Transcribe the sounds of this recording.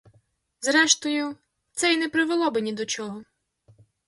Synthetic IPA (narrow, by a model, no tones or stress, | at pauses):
zɾɛʃt̪ɔjʊ | t̪sɛjnɛpɾɪʋelˠɔbɪnʲid̪ɔt͡ʃɔɦɔ